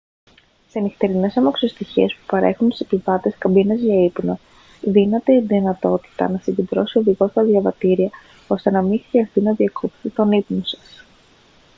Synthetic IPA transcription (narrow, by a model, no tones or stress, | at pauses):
seɐnist̪e̞ɾine̞sɐmɐksost̪içiespu̥pɐɾe̞xunt̪u̥sepivɐt̪e̞skɐbinɐzʝɐipno | ðinɐt̪eðinɐt̪o̞t̪i̥t̪ɐ̰nɐsiɲɟed̪ɾo̞sio̞ðiɣo̞t̪t̪ɐðʝɐvɐt̪iɾiɐ | o̞st̪e̞nɐmixɾiɐst̪inɐðiɐkʰopθit̪o̞nipnosɐ̥s